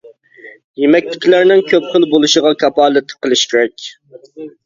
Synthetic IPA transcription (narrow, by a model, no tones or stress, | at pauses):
jemɛk̚ʲt̪ʰɪ̥kʲilæɾnɪŋkʲʰøpχəlˠbolˠuʃəʁɑkʲʰɑpɑːlˠɪt̪ʰə̥qəlˠɨʃkʲʰeɾɛkʲ